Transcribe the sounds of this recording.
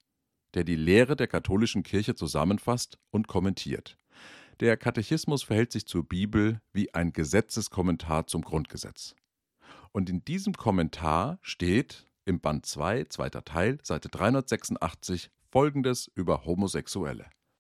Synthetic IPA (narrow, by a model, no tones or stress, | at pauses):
d̥eːɐdiːleːʁ̞ədeːɐkʰatʰoːlɪʃn̩kʰɪɐçət͡suza̰mənfastʔʊntkʰɔmɛntʰḭːɐt | d̥eːɐkʰatɛçɪsmʊsfɛɐhɛltz̥ɪçt͡suːɐbiːbl̩viːʔaɪnɡəzɛt͡səskʰɔmɛntʰaːɐt͡sʊmɡʁʊnt̚ɡ̥əzɛ̰t͡s | ʔʊntɪnd̥iːzəmkʰɔmɛntʰa̰ːɐʃteːt | ʔɪmbantt͡sv̥a̰ɪt͡sv̥a̰ɪtɐ̰tʰaɪlz̥aɪtəd̥ʁaɪhʊndɐtz̥ɛksʊn̩tʔa̰χt͡sɪç | fɔlɡŋ̩dəsʔyːbɐhomozɛksuɛ̰lə̰